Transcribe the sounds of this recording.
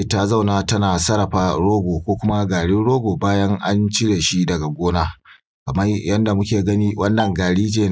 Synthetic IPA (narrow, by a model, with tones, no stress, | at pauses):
ta˦za˦˨wnaː˦tɐ˦naː˨sɐ˦ɾɐ˨ɸaː˦ɽoː˦ɡʷoː˨kʷoː˦kʷʊ˦ma˦ɡaː˨ɽɪ˦nɽoː˦ɡoː˨baː˦jɐ˦ŋʔa˦nt͡ʃɪ˦ɽeː˨ʃi˦dɐ˨ɡa˨ɡʷoː˦naː˦ | kɐ˨mɐ˦jɐ˦nda˨mʊ˦kʲeː˨ɡɐ˦niː˦wʔɐ˦nːɐ˨ŋɡaː˨ɽiː˦d͡ʒeː˨